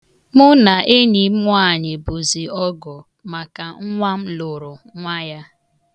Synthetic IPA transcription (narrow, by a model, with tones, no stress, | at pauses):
mʊ˦na˨ʔe˦ni˨˦m˦ʊ˦a˦˨ɲɪ˨bu˨zi˨ɔ˦ɡɔ˨ | ma˨ka˨ŋ̩˦ŋʷa˦m̩˦lʊ˨ɾʊ˨ŋʷa˦ja˦